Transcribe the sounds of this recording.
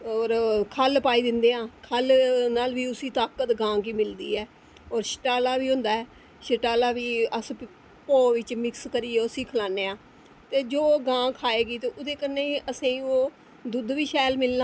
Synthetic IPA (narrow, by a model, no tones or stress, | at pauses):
ɔːɾkʰəlpaːiːd̪ɪnd̪eːãːkʰəlnaːlʋiːʊsĩːt̪aːkət̪ɡãːkiːmɪld̪ḭːɛː | ɔːɾʃə̥ʈaːlaːʋiːɦʊ̃ːnd̪aːɛː | ʃəʈaːlaːʋiːəs | poːʋɪt͡ʃmɪkskəɾiːeʊsĩːkʰəlaːneːãː | t̪eːd͡ʒoːɡãːkʰaːeːɡiːt̪eːʔʊd̪eːkənːẽːiəsẽːĩːoː | d̪ʊd̪ʋiːʃɛːlmɪlna